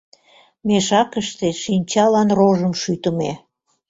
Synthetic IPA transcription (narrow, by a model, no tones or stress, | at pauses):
meʃɑkəʃt̪eʃinʲt͡ɕɑlɑnroʒəmʃyt̪əme